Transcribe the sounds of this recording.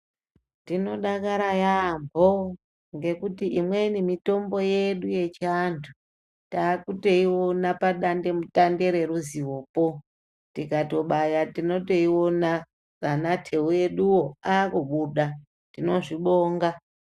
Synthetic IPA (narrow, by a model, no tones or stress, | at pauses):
tino̞ɗakaɾajambʱo | ŋɡe̞kutiʔimwe̞nimito̞mbo̞je̞ɗuje̞t͡ʃantʰu | taːkutoiwo̞napaɗande̞mutande̞ɾe̞ɾuziwo̞po̞ | tikato̞ɓajatino̞to̞iwo̞na | ranatʰe̞uje̞ɗuwoaːkuɓuɗa | tino̞ʐiɓo̞ːŋɡa